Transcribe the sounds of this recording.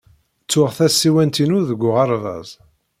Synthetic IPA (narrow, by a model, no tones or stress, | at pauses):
t͡sːʊʁθæsːiwænt̪inʊðəɡʷːʊʁɑɾˤvæ̰z